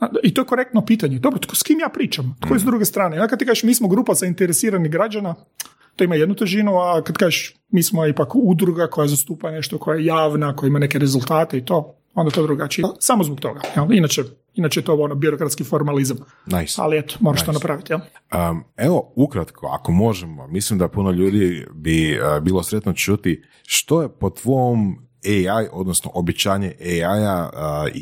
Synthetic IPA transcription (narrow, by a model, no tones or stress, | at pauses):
ait̪ojekoɾek̚t̪nopiːt̪aɲed̪o̞bɾot̪koskimjaːpɾiːt͡ʃamt̪oesd̪ɾuɡest̪ɾaːneond̪akad̪t̪ikaːʒeʃmiːsmoɡɾuːpazaint̪eɾesiːɾaniɡɾad͡ʒana | t̪oimajed̪nut̪eʒinuakad̪kaːʒeʃ | miːsmoipakud̪ɾuɡako̞jajzast̪uːpane̞ʃt̪okʰo̞jajejaːʋnakojaimane̞keɾe̞zulˠt̪aːt̪eit̪o̞ː | ond̪at̪od̪ɾuɡat͡ʃijɛsamozbokt̪o̞̰ɡajalˠinat͡ʃe | inat͡ʃejet̪oonobiɾokɾat̪skifo̞ɾmalizam | najsa̰liet̪o̥moɾaʃonatpɾaʋit̪ijeləeoukɾat̪kʰoa̰komo̞ʒemomislimd̪apunoʎuːd̪ibibiːlˠosɾet̪not͡ʃut̪i | ʃt̪o̞jepot̪ʋom | eajo̞d̪nosnoʔobit͡ɕaːɲeʔeaja